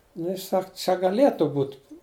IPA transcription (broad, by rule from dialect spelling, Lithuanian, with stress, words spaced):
nʊ ˈjɪs ˈsɐk t͡ʃʲɛ ɡɐˈlʲeːtʊ ˈbuːt